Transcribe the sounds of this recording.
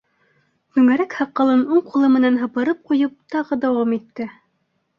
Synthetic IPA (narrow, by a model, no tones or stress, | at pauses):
kʉ̆ŋæɾækhɑqːɑ̆lˠɤnuɴqulˠɤmɘ̆nænɦɤ̆pɤ̆ɾɤp̚qujɤp̚t̪ɑʁɤd̪æwɑmit̪ːɘ